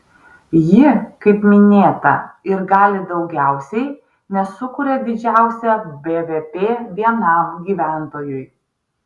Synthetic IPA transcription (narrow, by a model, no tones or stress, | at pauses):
jɪkɐɪpmʲɪnʲeːt̪ɐ̰ɪɾɡɑːlʲɪd̪ɒʊɡʲæˑʊsʲɛɪ | nʲɛsʊkʊɾʲɛd̪ʲɪd͡ʒʲæˑʊsʲɛbʲeʋʲepʲeːʋʲiɛnɑˑmɡʲiːʋʲæˑnt̪oːjʊj